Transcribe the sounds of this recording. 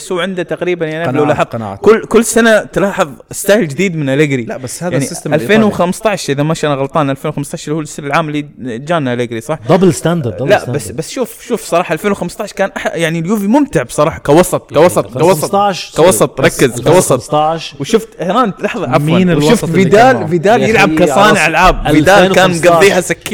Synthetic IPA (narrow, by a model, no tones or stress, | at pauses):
shuːʕɪnd̪at̪aqɾiːbanjaʕniʔlawlaħˤkʊlːkʊlːsanat̪lɑːħɨðˤɪst̪aːjld͡ʒɪd̪iːd̪mɪnʔalaɡɾilabashaaʕniʔalfeːnwxamst̪ˤɑʕʃʔɪðamaʃʔanaɣɑlt̪ˤɑːnʔalfeːnwxamst̪ɑʕʃhuːlɪsːanalʕaːmɪlːid͡ʒaːnʔalɪːɡɾisˤɑħd̪ɑblst̪and̪labasːbasːʃuːfʃuːfsˤɑɾˤɑːħɑʔalfeːnwxamst̪ɑʕʃkaːnʔaħjaʕniljuːvimʊmt̪ɪʕbsˤɑɾˤɑːħɑkawɑsˤɑt̪ˤkawɑsˤɑt̪ˤkawɑsˤɑt̪ʃkawɑsˤɑt̪ˤɾˤɑkːɪzkawɑsˤɑt̪ɑʃwʃʊft̪ʔɪhɾaːnt̪lɑħðˤɑʕafmanwwʃʊft̪fid̪aːlfid̪aːjɪlʕab̚kasˤɑːnɪʕalʕaːb̚vɪd̪aːlkaːnmmɡɑˤːiːhasakːi